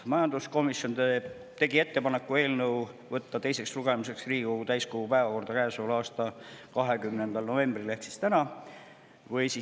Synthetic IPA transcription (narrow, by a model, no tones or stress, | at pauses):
mɑjɑnd̪̥usko̞misjo̞nd̪e | t̪e̞ɡie̞t̪ːe̞pɑne̞kːˑue̞ːlnɤw | vɤt̪ːɑt̪e̞jse̞ksruɡ̥e̞muse̞ksriːɡikoɡut̪æjskoɡ̥upæe̞vɑko̞rd̪̥ɑkæesolɑːst̪ɑkɑɦe̞kymnend̪ɑlno̞ve̞mb̥rileht̪si̥st̪ænɑ | vɯjsi